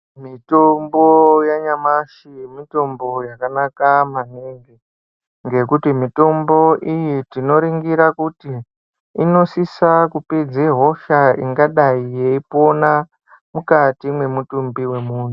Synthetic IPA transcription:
mitombojaɲamaʃimito̞mbo̞jakanakamaneŋɡe | ŋɡe̞kutimito̞mbo̞ʔijitino̞ɾiŋɡiɾakutiː | no̞sisakuped͡zeɦo̞ʃaḭŋɡaɗaije̞ipo̞na | mukatimwe̞mutumbiwe̞muːn̤u

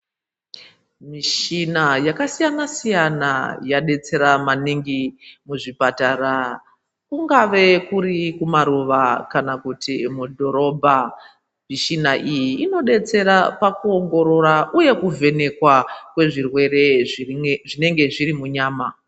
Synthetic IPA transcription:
miʃinajakasijanasijanajaɗe̞t͡se̞ɾamaniŋɡimuʐipatara | kuŋɡaʋe̞kuɾikumaɾuʋakanakutimudʱo̞ɾo̞bʱa | miʃinaʔijiːno̞ɗe̞t͡se̞ɾapakuo̞ŋɡo̞ɾo̞ɾaʔuje̞kuvʱe̞ne̞kwakwe̞ʐirwe̞re̞ | ʐine̞ŋɡe̞ʐirimuɲaːma

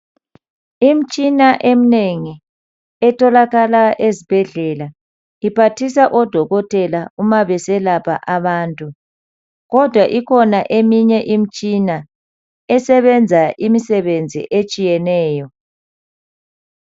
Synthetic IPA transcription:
im̩t͡ʃʼinaʔem̩neŋi | ɛtʰɔlaɣalaʔezib̥ʱɛɮɛla | ipʰatʰisaʔɔd̥ʱɔɣɔtʼɛlaumaβɛsɛlapʰa̰ʔaβaːntʼu | ɣɔd̥ʱwaʔikʰɔnaʔemiɲɛʔim̩t͡ʃʼina | ɛsɛβɛnd͡zʱaʔimisɛβend͡zʱḭʔet͡ʃʼijɛnɛːjɔ

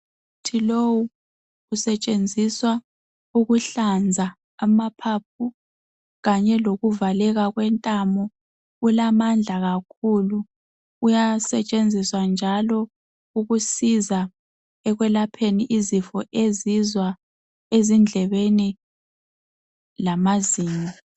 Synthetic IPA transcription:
utʰilowu | usɛt͡ʃʼend͡zʱiswa | uɣuɬand͡zʱa | amapʰap̚ʰu | ɣaɲɛloɣuvalɛɣaɣwɛntʼamɔ | ulamand͡ɮʱaɣakʰulu | ujasɛt͡ʃʼend͡zʱiswand͡ʒʱalɔ | uɣusiza | ɛɣwɛlapʰeniʔizifɔʔezizwa | ezind͡ɮʱɛβeni | lamaziːma

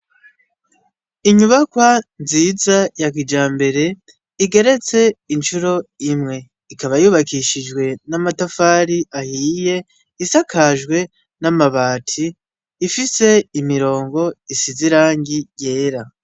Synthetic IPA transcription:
iɲuβakwanziːzajakid͡ʒaːmbe̞ɾe̞ | iɡe̞ɾe̞t͡se̞int͡ʃuɾo̞imŋe̞ | ikaβajuːβakiʃid͡ʒɡwe̞namatafaːɾiʔahiːje̞ | isakʰaʒɡwe̞ | namaβaːtʰiː | fise̞imiɾo̞ːŋɡo̞isiziɾaːŋɡije̞ːɾa

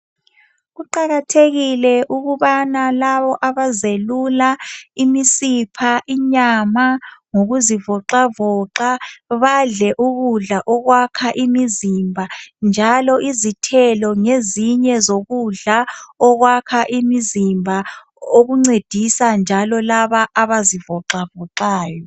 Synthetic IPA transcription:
ɣuǃaɣatʰeɣilɛʔuɣuβanalaβɔʔaβazelulaimisipʰaʔiɲamaŋoɣuzivɔǃavɔǃaβaɮɛʔuɣuɮaʔɔɣwakʰaʔimizimbʱand͡ʒʱalɔʔizitʰɛlɔŋeziɲɛzoɣuɮaɔɣwakʰaʔimizimbʱa | oɣuŋ͡ǀed̥ʱisand͡ʒʱalɔlaβaʔaβazivɔǁavɔǃaːjɔ

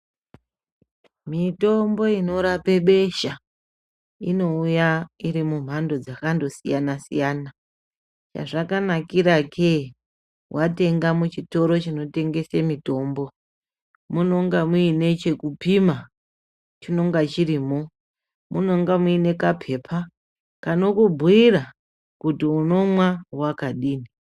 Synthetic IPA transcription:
mito̞mbo̞ino̞ɾape̞ɓe̞ʃa | ino̞ujaiɾimum̤ando̞d͡zakando̞sijanasijaːna | t͡ʃa̰ʐakanakiɾakʰe | wate̞ŋɡamut͡ʃito̞ɾo̞t͡ʃino̞te̞ŋɡe̞semito̞ːmbo̞ | muno̞ŋɡamuine̞t͡ʃe̞kupima | t͡ʃino̞ŋɡat͡ʃiɾiːmo | muno̞ŋɡamuine̞kapʰe̞ːpʰa | kano̞kubʱuira | kutiuno̞mwawakaɗiːni

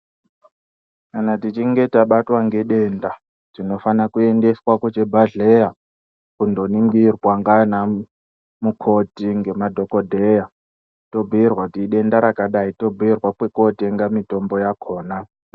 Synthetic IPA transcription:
kanatit͡ʃiŋɡe̞taɓatwaŋɡe̞ɗe̞ːnda | tino̞fanakue̞nde̞swakot͡ʃebʱaɮe̞ja | kundo̞niŋɡirwaŋɡana | mukʰo̞tiŋɡe̞madʱo̞ko̞dʱeja | to̞bʱuirwautiɗe̞ndaɾakaɗaito̞bʱuirwakwe̞ko̞teŋɡamito̞mbo̞jakʰo̞ːna

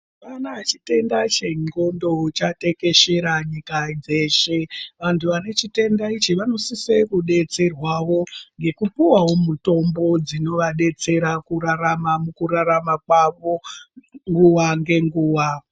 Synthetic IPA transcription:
ʋanaat͡ʃite̞ndat͡ʃeŋɡo̞ndo̞t͡ʃate̞ke̞ʃe̞ɾaɲikad͡ze̞ʃeʋantʰuʋane̞t͡ʃite̞ndait͡ʃiʋano̞sisekuɗe̞t͡se̞rwaʋo̞ŋɡe̞kupiwawo̞muto̞mbo̞d͡zino̞ʋaɗe̞t͡se̞ɾakuɾaramamukuɾaɾamakwaʋo̞ŋɡuʋaŋɡe̞ŋɡuːwa

